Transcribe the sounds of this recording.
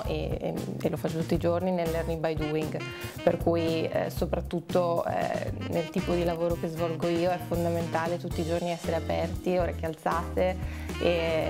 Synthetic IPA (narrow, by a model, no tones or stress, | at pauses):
ʔḛḛlːofat͡ʃːot̪ut̪ːid͡ʒorninelːernibajd̪uiŋɡ | perkuːj̰sopɾat̪ːut̪ːo̰ | nelt̪iːpod̪ilavoːɾokezvɔlɡoiːoɛfːond̪ament̪aːlet̪ut̪ːiːd͡ʒorniɛsːeɾeapɛrt̪ioːɾak̟ealt̪saːt̪e | e